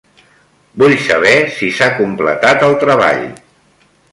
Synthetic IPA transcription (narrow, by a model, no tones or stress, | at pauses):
buʎsə̰β̞ɛsisakumplə̰t̪at̪əlˠt̪ɾəβa̰ʎ